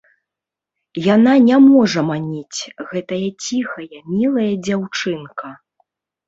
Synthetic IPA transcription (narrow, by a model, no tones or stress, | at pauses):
jananʲamɔʐɐmanʲit͡sʲɣɛt̪ɐjɐt͡sʲixɐjɐmʲilˠɐjɐd͡zʲawt͡ʂɨnkʰɐ